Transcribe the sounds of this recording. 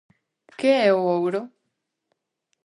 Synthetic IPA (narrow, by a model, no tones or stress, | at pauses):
keɛoowɾo